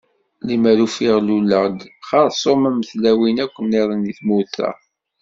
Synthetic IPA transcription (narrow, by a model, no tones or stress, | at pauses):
limæɾufɪʁlulːəʁd̪χɑɾˤsˤomæməθlæwinækʷːənːeðˤəniθmuθæ̰